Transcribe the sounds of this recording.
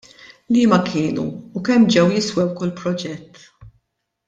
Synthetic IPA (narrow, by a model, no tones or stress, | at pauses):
liːmɐkʰɪːnṵːkɛmːd͡ʒɛwjɪswɛwkʊlpɾɔd͡ʒɛt̪ː